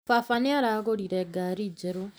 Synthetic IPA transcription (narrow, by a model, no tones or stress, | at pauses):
fafaniaɾaːɣoɾiɾɛɡaːɾid͡ʒeɾo